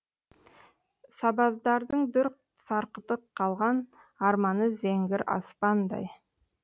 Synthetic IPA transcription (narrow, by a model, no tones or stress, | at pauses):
sɑbɑzd̪ɑɾd̪əɴd̪ʏɾq̚ | sɑɾqət̪əqʰːɑlˠʁɑn | ɑɾmɑnəzeŋɡʲɪɾɑ̰spɑnd̪ɑ̰j